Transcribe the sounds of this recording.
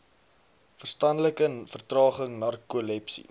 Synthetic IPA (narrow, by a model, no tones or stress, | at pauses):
fərstɐndləkəfərtrɑːχəŋnɐrkulɛpsḭ